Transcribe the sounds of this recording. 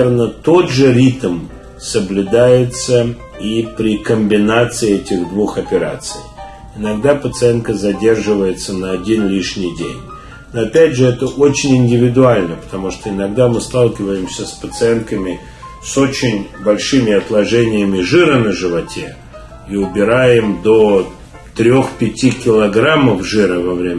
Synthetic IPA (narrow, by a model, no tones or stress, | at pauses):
rnət̪o̞d̪ʐɨɾʲit̪m | səblʲʉd̪ajɪt̪sə | ipɾʲɪkəmʲbʲɪnat̪sɨɪɛtʲɪɣd̪vuxɐpʲɪɾa̰t̪sɨ̰j | ɪnɐɡ̚d̪apət̪sɨɛnkəzɐdʲe̞rʐɨvəjɪt̪sənəɐdʲinlʲiʂnʲɪjdʲḛnʲ | noɐpʲædʲʐɨɛt̪əʔot͡ɕɪnʲɪnʲdʲɪvʲɪd̪ʊalʲnəpə̥t̪ɐmuʂt̪oɪnɐɡ̚d̪amɨst̪alˠkʲɪvəjɪmsʲəspət̪sɨɛnkəmʲɪ | so̞t͡ɕɪnʲbɐlʲʂɨmʲɪɐt̪lˠɐʐɛnʲɪjəmʲɪʐɨɾənəʐɨvɐtʲe | iʊbʲɪɾajɪmd̪o | t̪ɾʲo̞xpʲɪtʲikʲɪlˠɐɡɾaməvʐɨɾəvɐvɾʲemʲ